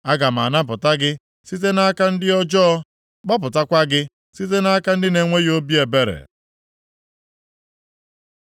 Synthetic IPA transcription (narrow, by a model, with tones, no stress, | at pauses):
a˦ɡa˨m̩˨a̰˨na˦p̬ʊ˨ta˦ɡɪ˦ | si˦t̬e˦na˦ka˦n̩˦dɪ˦ɔ˦d͡ʒɔ˦ | ɡ͡ba˦p̬ʊ˨ta˦kʷa˦ɡɪ˦ | si˦t̬e˦na˦ka˦n̩˦dɪ˦ne˨ŋʷe˦jo˦bi˦e˨be˦ɾḛ˨